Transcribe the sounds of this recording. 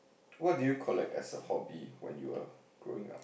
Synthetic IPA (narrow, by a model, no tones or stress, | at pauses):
wɔt̚dujukʰɔlɛk̚tɛsəhɔbiwɛ̰̃njua | ɡ̥ɹo̰ɪ̃ŋa̰p